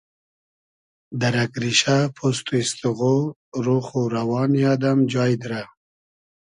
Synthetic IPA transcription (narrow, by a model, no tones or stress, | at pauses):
d̪aɾakɾiʃapʰost̪uist̪uɣo | ɾoχuɾawɑːnjad̪amd͡ʒɑːjd̪ɾa